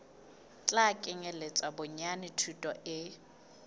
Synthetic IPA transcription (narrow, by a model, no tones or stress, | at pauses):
t͡ɬʼakʼɪŋɛlet͡sʼabʊɲanɪtʰutʼɔʔɪ